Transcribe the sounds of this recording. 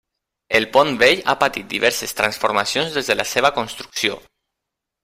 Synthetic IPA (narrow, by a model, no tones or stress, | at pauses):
elˠpɔnbeʎa̰pat̪it̪̚d̪iβɛɾsest̪ɾansfoɾmasjonzðɛzðelʔaseβakonst̪ɾu̥ksio̰